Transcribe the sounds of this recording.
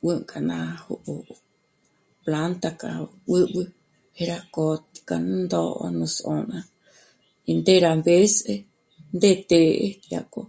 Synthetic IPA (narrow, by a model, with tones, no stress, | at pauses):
wɨŋkʼa˨nã˧huʔo | pla˦nt̪aka˨ | wɨ˦wɨ | he˧ɾako˨t̪i̥ka˧nnd̪o˧ʔo̰˧nũ˧sõ˧nã˧ | i˧nd̪e˦ɾambe˦se | nd̪e˧t̪e˧ʔe˦ja̰ko˧